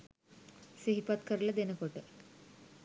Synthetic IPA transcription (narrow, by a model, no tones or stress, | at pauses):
siɦipat̪kəɾləd̪enəkoʈə